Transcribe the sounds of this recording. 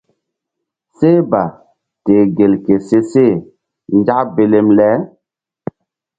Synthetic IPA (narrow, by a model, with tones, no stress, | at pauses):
se˦ba˨ | te˨ɡe˨lke˨se˦se˦˨ | n˦d͡ʒa˦kbe˨le˦mlɛ˦